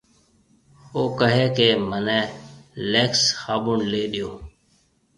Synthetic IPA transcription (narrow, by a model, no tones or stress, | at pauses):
oːkəɦeːkeːmənɛ̃ːleːksxaːɓʊɳleːɗɪjoː